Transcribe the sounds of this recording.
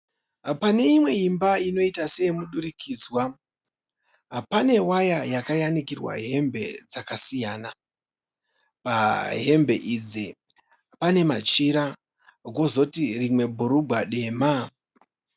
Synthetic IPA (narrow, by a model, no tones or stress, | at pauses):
pane̞imwe̞imbaino̞itase̞muɗuɾikʰiːd͡zwa | ɦpane̞wajajakajanikirwa̰ɦe̞mbe̞̰d͡zakasijaːna | paɦe̞mbʱe̞̰ʔid͡zi | pane̞mat͡ʃiɾa | ɡʱo̞zo̞tirimwe̞bʱuɾubʱwaɗe̞ma